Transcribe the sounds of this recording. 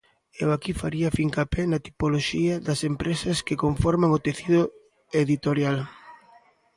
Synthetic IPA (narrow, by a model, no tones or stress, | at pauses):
ewakifaɾiɐfiŋkapɛnɐt̪i̥poloʃiɐðɐsempɾesɐskekoɱfɔɾmaŋot̪eθiðʊ | eðit̪oɾjal